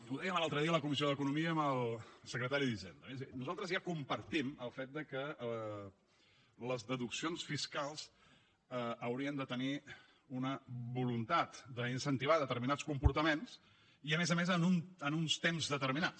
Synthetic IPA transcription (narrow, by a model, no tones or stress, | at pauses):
uðɛjəmlalˠt̪ɾəðiələkumizioðəkunumiəːməlˠsəkɾət̪aɾiðisɛ̰nd̪ɾəznuzalˠt̪ɾəzjakumpəɾt̪iməlˠfet̪̚d̪əkəə | ləzðəðuksionsfiskalˠz | əəwɾiənd̪ət̪əni | unəβulunt̪at̪d̪əinsənt̪iβaðət̪əɾminat͡skumpuɾt̪əmens | iəmezəmezənunənunst̪emzðət̪əɾminat͡s